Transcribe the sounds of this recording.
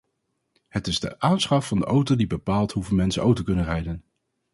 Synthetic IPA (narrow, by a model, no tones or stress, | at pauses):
hətɪzdə̰ʔaːnsχɑfɑndəʔowtowdibəpaːlˠtɦuvənmɛnsənʔowtəkɵnənrɛjdən